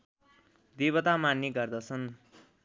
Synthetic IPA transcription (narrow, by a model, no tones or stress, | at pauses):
d̪iβʌt̪amanːiɡʌrd̪ʌt͡sʰʌn